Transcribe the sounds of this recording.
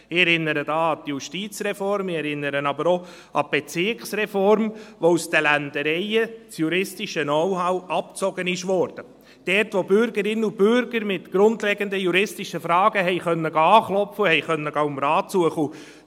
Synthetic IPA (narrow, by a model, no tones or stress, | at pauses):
ɪɛɾɪnːəɾədɑːɑd̪juʃtiːt͡srɛfɔɾmɪɛɾɪnːəɾənɑbəɾo | ʔɑb̥et͡sɪkχsrɛfɔɾmʋousd̥̪əlænd̥̪əɾɛɪət͡sjuɾɪstɪʃənɔwɦɑwɑp̚t͡sɔɡənɪʃʋɔɾd̥ə | d̥ɛtʋobʏɾɡəɾɪnːəubʏɾɡəɾmɪtɡ̥ɾʊndlɛɡənd̪əjuɾɪstɪʃəfɾɑːɡ̥əɦɛɪχœnːəɡɑːχlɔpfəuhɛjχœnːəɡɑmɾɑːtt͡suəχəu